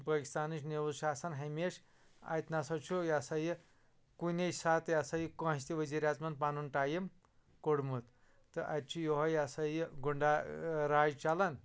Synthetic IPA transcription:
paki̥st̪aːniʃneʋuzʃaːsanɦɐjmeʂ | a̰jt̪nasɐt͡ʃʰujasaji | kunʲesat̪jasajikõɦsʲt̪ʲiʋəziɾʲjat͡smɐn̚panunʈajim | koɽmut̪ | t̪ɨʔat̪̚t͡ʃʰijoɦɐjasajiɡuɳɖaɾaːd͡ʒt͡ʃalan

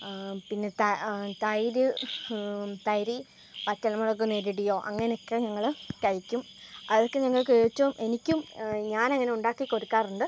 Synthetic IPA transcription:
pinːe̞t̪ɐt̪ɐjɾɨ | t̪ɐjɾi | pɐtːɐlɐmɐɽɐk̬ːunːeɾiɽijo̞ːʔɐ̰ŋːɐneo̞kːe̞ɲɐŋːɐɭkɐɻikʲːum | ɐðokːe̞ɲɐŋːɐɭkeːt͡ɕːoːmʔe̞nikʲːumɲaːnɐŋːɐne̞uɳɖaːkːiko̞ɾikːaːruɳɖɨ

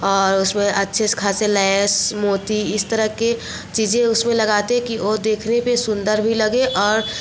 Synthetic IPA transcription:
ɔːɾʊsmẽʔɐtːʃʰeskʰaːselɛsmoːt̪iɪst̪əɾəɦke | t͡ʃiːd͡ʒẽʊsmẽlɐɡaːt̪eɦkioːd̪eːkʰnepesʊ̃nd̪əɾbʱilɐɡeʔɔːɾ

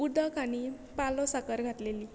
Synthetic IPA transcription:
ud̪əkaɽ̃i | palɔsakəɾɡʱat̪leliː

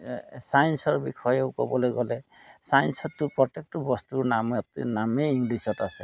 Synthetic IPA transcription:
sajnsɔɹbikʰɔjɔwkɔ̰bɔlɔjɡɔle | sajnsɔt̪ːupɾɔt̪ek̚ʈɔbɔstuɹnamɔtnameiŋɡlisɔtase

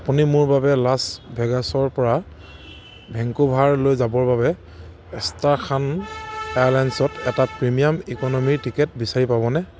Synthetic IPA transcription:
apunimʊɹbabɛlasbʱɛɡasɔɹpɔɹa | bʱɛŋkubʱaɹlojzabɔɹbabɛ | ɛstaɹkʰanɛjalajnsɔtɛtapɹimijamikɔnɔmiɹtikɛt̚bisaɹipabɔnɛ

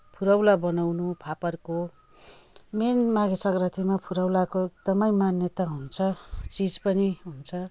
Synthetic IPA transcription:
pʰuɾʌwlabʌnawnupʰapʌrko | menmaɡesʌɡrʌt̪ʰimapʰuɾʌwlakoek̚d̪ʌmʌjmanjʌt̪aɦunt͡sʰʌt͡sid͡zpʌniɦunt͡sʰʌ

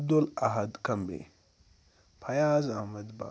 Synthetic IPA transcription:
b̚d̪olaɦɐd̪kɐmbḛ | pʰɐjaːzamɐd̪ba̰

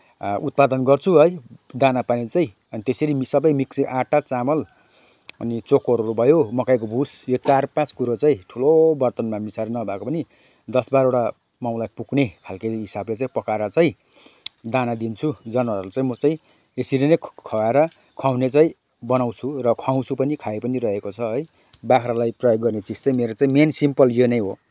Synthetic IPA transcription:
ut̪̚pad̪ʌnɡʌrt͡sʰuɦʌjd̪anapanet͡saĩ | ʌnit̪eseɾimisʌbʌjmiksiʔaʈat͡samʌl | ʌ̰nit͡sokoɾuɾubʱʌjomʌkajk̬obʱusjot͡sarpãt͡skuɾot͡saĩʈʰulobʌrt̪ʌnmamisaɾinʌbʱakopʌni | d̪ʌsbaɾoɽa | maw̃lajpuknekʰalkiɦisablet͡saĩpʌkaɾʌt͡saĩ | d̪anad̪int͡sʰud͡zʌnaɾrut͡saĩmʌt͡saĩ | esiɾenʌkkʰʌweɾʌ | kʰaw̃net͡saĩ | bʌnaw̃t͡sʰurʌkʰaw̃t͡sʰupʌnikʰaepʌniɾʌɦekot͡sʰʌɦʌj | bakʰɾalajprʌjoɡːʌrnet͡sist̪ʌmeɾot͡saĩmensimpʌljonʌj̃ɦo

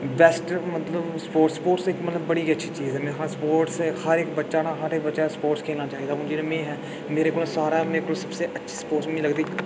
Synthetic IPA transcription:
bɛːsʈmət̪ləbspoːʈspoːʈsɪkmət̪ləbːəɽiːətːʃʰiːt͡ʃiːzɦɛːmɛ̃ːɦspoːɾʈshəɾɪkbətːʃaːnãːɦəɾekbətːʃaspoːʈskʰeːlnaːt͡ʃaːiːd̪aːõːd͡ʒinẽːmẽːɦɛː | meːɾeːkoːlsaːɾaːmeːɾekoːlsəbseːʔətːʃʰi̥ːspoːɾʈsmĩːləɡd̪iː

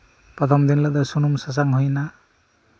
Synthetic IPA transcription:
pɾʌt̪ʰʌmd̪inlʌd̪ʌsunumsas̬aŋɦujna

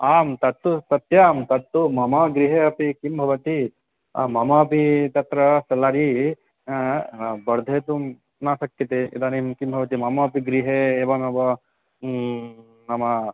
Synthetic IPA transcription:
aːmt̪ɐt̪ːusɐt̪jaːmt̪ɐt̪ːumɐmɐɡɾiɦeɐpikimbʱɐʋɐt̪i | ɐ̰mɐmɐːpit̪ɐt̪ɾɐsɐlaɾi | bɐɾd̪ʱeːt̪u | naːsɐkjɐt̪eḭd̪aːnimkimbʱɐʋɐt̪imɐmɐpiɡɾiɦeeːʋɐmebɐ | nɐmɐ

